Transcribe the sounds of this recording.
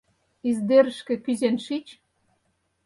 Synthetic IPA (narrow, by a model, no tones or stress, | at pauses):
izd̪eɾəʃkĕkyzenʃit͡ɕ